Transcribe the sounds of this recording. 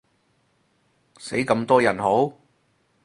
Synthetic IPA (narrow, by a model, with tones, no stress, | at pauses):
se˨˥jkɐ˧mt̪ɔː˥jɐ˨˩nho˨˥w